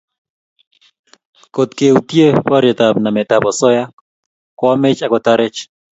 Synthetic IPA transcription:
ko˨t̪ke˨ut̪je˦wa˦ɾjɛ˨t̪a˨bna˨mɛ˨t̪a˨bɔ˨sɔ˦ja˦ | kwa˦mɪ˦t͡ʃa˨kɔ˨t̪a˦ɾɪ˦t͡ʃ

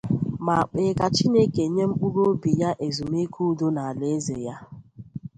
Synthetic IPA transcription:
ma˨a˨k͡pe˨ka˨t͡ʃi˦ne˦ke˨ɲe˦m̩˦k͡pu˦ɾo˦bi˨ja˦ʔe˨zu˨m˦e˦kʰu˦do˦na˨a˨le˨e˦ze˨ja˦

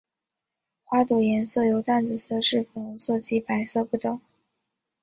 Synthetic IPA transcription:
xwa˥t̪u˨˩jɛ˧˥nsɤ˥˩jo˧˥ʊt̪a˥˩nt͡sɹ̩˨˩sɤ˥˧ʂɻ̩˥˩fə˨˩o˧˥ʊsɤ˥˩t͡ɕi˧˥pa˧˥ɪsɤ˥˧pu˥˩t̪ɤ˨˩˦ŋ

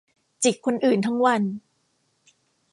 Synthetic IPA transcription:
t͡ɕi˨˩k̚ʰːo˧nʔɯː˨˩nt̪ʰa˦˥ŋwa˧n

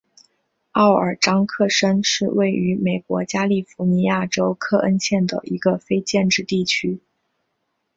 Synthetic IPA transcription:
ɑ˥˩ʊə̰˞˨˩ʈ͡ʂɑ˥ŋkʰɤ˥˧ʂə˥nʂɻ̩˥˧we˥˩ɪy˧˥me˨˩ɪkwɔ̰˧˥t͡ɕja˥li˥˩fu˧˥ni˧˥ja˥˩ʈ͡ʂo˥ʊkʰɤ˥˩ʔə˥nɕjɛ˥˩nd̪ə̰˩ʔi˧˥ɡə˧fe˥ɪt͡ɕjɛ˥˧nʈ͡ʂɻ̩˥˧t̪i˥˩t͡ɕʰy˥

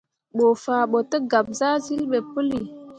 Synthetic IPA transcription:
ɓo˨faː˨ɓo˨tə˦ɡa˨p̚za˦zi˦lɓe˨pə˦li˨

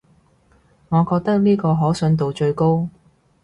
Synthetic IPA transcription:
ŋɔː˨˧kɔː˧k̚t̪ɐ˥k̚niː˥kɔː˧ɦɔː˨˥sɵ˨˧nt̪o˨wt͡ʃɵ˧ɥko˥w

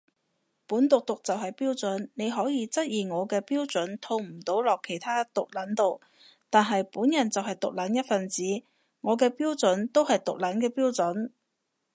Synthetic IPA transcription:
puː˨˥nt̪ʊ˨k̚t̪ʊ˨k̚t͡sɐ˨wɦɐ˨jpiː˥wt͡sɵ˨˥nne˨˧jɦɔː˨˥jiː˨˧t͡sɐ˥t̚jiː˨ŋɔː˨˧kɛː˧piː˥wt͡sɵ˨˥nt̪ʰo˧wm̩˨˩t̪o˨˥wlɔː˨kʰːe˨˩jt̪ʰaː˥t̪ʊ˨k̚lɐ˨˥nt̪o˨w | t̪aː˨nɦɐ˨jpuː˨˥njɐ˨˩nt͡sɐ˨wɦɐ˨jt̪ʊ˨k̚lɐ˨˥njɐ˥t̚fɐ˨nt͡siː˨˥ | ŋɔː˨˧kɛː˧piː˥wt͡sɵ˨˥nt̪o˥whɐ˨jt̪ʊ˨k̚lɐ˨˥nkɛː˧piː˥wt͡sɵ˨˥n

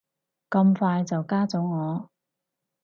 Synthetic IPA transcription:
kɐ˧mfaː˧jt͡sɐ˨wkaː˥t͡sʊ˨˥ŋŋːɔː˨˧

